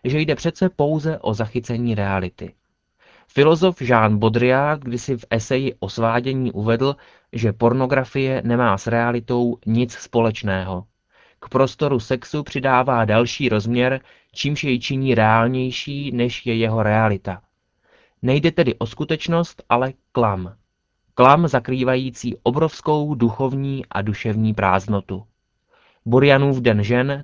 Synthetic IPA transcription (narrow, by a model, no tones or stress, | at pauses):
ʒɛjdɛpr̝̥ɛt̪t͡sɛpo̞wzɛʔo̞zaxɪt͡sɛɲiːɾɛalɪt̪ɪ̰ | fɪlo̞zo̞fʒaːnbo̞d̪ɾɪaːt̪ɡdɪsɪfʔɛsɛjɪʔo̞svaːɟɛɲiːʔuvɛdl̩ | ʒɛpo̞ɾno̞ɡɾafɪjɛnɛmaːsɾɛalɪt̪o̞wɲɪt͡sspo̞lɛt͡ʃnɛːɦo̞ | kpɾo̞st̪o̞ɾusɛksupr̝̥ɪdaːvaːdalʃiːɾo̞zmɲɛɾ | t͡ʃiːmʃjɛjt͡ʃɪɲiːɾɛaːlɲɛjʃiːnɛʃjɛjɛɦo̞ɾɛalɪt̪a | nɛjdɛt̪ɛdɪʔo̞skut̪ɛt͡ʃno̞st̪ʔalɛklam | klamzakɾiːvajiːt͡siːʔo̞bɾo̞fsko̞wduxo̞vɲiːʔa̰duʃɛvɲiːpɾaːzno̞t̪u | boɾɪjanuːfdɛnʒɛn